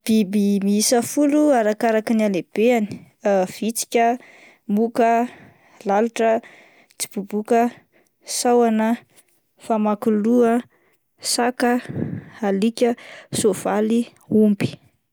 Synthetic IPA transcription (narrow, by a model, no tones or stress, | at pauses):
b̥ibimiisəfuluaɾakaɾakinialeb̥eani̥ | v̥it͡si̥kʲə | mukə | laluʈ͡ʂə | t͡si̥b̥ubukə | sawanə | famakuluə | sakə | alikʲəsov̥ali | umbi̥